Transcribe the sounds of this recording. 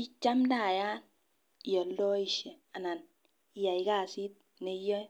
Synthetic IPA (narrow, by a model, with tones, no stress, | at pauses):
i˦t͡ʃa˦mda˨ja˦n˨ | jɔ˨ldɔ˦i˨ʃe˨a˨na˨n˨ | ja˨i˨ka˦˨si˦t̚ | ne˨˦jɔ˦j